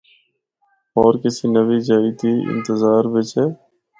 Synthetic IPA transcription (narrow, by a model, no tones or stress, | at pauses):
ɔːɾkɪsiːnəʋiːd͡ʒaːiːt̪ʰiːʔɪ̰̃nt̪əzaːɾʋɪt͡ʃɛː